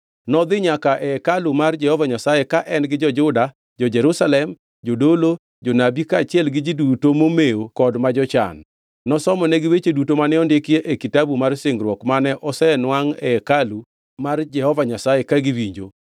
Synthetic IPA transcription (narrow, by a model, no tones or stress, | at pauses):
nɔd̪ɪɲakaʔɛkalumard͡ʒɛhɔvaɲasajekaʔɛnɡɪd͡ʒɔd͡ʒʊda | d͡ʒɔd͡ʒɛɾusalɛm | d͡ʒodolo | d͡ʒonabikat͡ʃɪɛlɡɪd͡ʒidutomomeokɔdmad͡ʒɔt͡ʃa̰nː | ɔsɔmɔnɛɡɪwet͡ʃedutomanɛɔndɪkɪjeʔekitabumarsɪŋɡɾwɔkmanɛʔɔsɛnwaŋɛkalu | mard͡ʒɛhɔvaɲasajekaɡɪwiɲd͡ʒo̰